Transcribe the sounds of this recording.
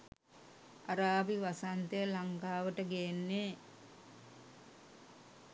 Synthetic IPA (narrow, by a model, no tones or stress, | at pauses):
aɾaːbiʋasant̪ejəlaŋkaːʋəʈəɡeenːe